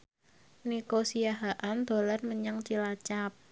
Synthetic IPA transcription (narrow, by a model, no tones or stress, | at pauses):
nikosiaɦaʔand̪̥o̤lanməɲaŋt͡ʃilat͡ʃap̚